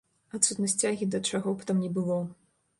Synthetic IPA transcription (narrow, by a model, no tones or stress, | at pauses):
at̪sut̪nɐsʲt͡sʲaɣʲid̪ɐt͡ʂaɣɔpt̪amnʲɛbɨlˠɔ